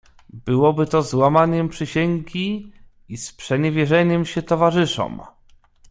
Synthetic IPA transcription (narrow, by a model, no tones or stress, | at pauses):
bɘwɔbɘt̪ɔzwamaɲɛmpʂɘɕeŋʲɡʲi | ispʂɛɲɛvʲjɛʐɛɲɛmɕɛt̪ɔvaʐɘʂɔ̰m